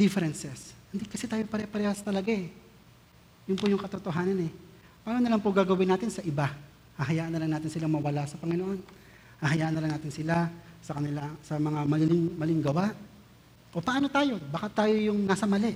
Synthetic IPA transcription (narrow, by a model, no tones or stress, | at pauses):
d̪̥ɪfɛɾɛnsɛshɪnd̪ikɐsɛt̪aːjopɐɾɛpɐɾɛhasɐt̪ɐlɐɡaʔɛ | jʊnpʊjʊŋkɐt̪ot̪oɦaːnɐnɛ | paːnonɐlaŋpoɡaːɡɐwɪnaːt̪ɪnsɐʔɪba | haɦɐjaːʔɐnɐlaŋnaːt̪ɪnsɪlaŋmɐwɐlasɐpɐŋɪnoʔo̞n | haːɦɐjaːʔɐnɐlaɐŋnaːt̪ɪnsɪlasɐkɐnɪlasɐmɐŋamɐlɪlɪŋmɐlɪŋɡɐwaʔ | ʔo̞pɐʔano̞t̪aːjo̞baːkat̪aːjo̞jʊŋnaːsɐmɐlɛʔ